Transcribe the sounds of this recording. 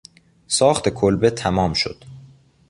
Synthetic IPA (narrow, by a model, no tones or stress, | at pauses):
sɒːxt̪ʰe̞kʰolbet̪ʰæmɒːmʃo̰d̪̥